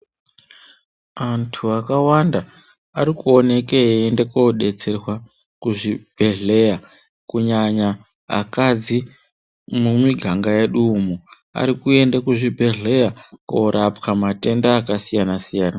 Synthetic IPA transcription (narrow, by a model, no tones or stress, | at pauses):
antʰuakawanda | aɾikuone̞keende̞koɗe̞t͡se̞rwa | kuʐib̥ʱe̞ɮe̞ja | kuɲaɲa | a̰kad͡zi | mumwiɡʱaŋɡajeɗumu | a̰ɾikue̞ndakuʐibʱe̞ɮe̞jakoɾʔapkamate̞ndaːkasijanasijaːna